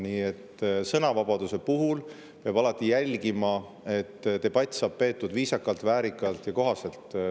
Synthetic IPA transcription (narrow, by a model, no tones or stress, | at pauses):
niːe̞t̪ːsɤ̞nɑvɑbɑd̪use̞puɦul | peɑb̥ɑlɑt̪ˑːijælʲɡimɑ | e̞t̪ːt̪e̞b̥ɑt̪ʲːˑsɑːb̥̚pe̞ːt̪ːˑud̪viːsɑkːˑɑlt̪væːɾikːˑɑlt̪jɑko̞ɦɑse̞lt̪ˑ